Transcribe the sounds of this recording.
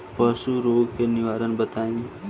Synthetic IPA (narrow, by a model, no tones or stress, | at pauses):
pəsuɾoɡkeniʋaɾənbət̪aĩ